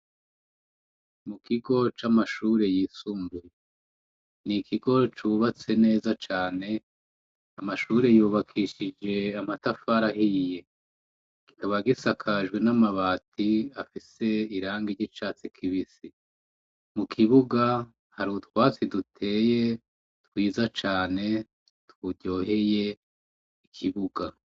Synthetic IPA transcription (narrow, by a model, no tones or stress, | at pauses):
mukʰiɡo̞t͡ʃamaʃuːɾe̞jiːsuːmbuje | nikʰiɡo̞t͡ʃuβat͡se̞ne̞ːzat͡ʃaːne̞ | amaʃuːɾe̞juːβakʰiʃid͡ʒe̞amatafaɾaɦije̞ | ki̥kaβaɡisakʰaʒɡwe̞namaβaːtiafise̞iɾaːŋɡiɾɟit͡ʃaːt͡sikʰiβisi | mukʰiβuɡa | haɾutwaːt͡sidutʰe̞ːje̞ | twiːzat͡ʃaːne̞ | twuɟo̞ːɦe̞je̞ | ikʰiβuɡa